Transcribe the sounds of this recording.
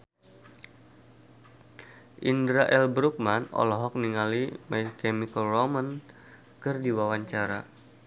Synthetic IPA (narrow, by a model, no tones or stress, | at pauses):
ʔindɾaʔɛlbɾuk̚manɔ̰lɔɦɔk̚niŋalimajkɛmikəlrɔmən | kɨrdiwawaɲt͡ʃaɾa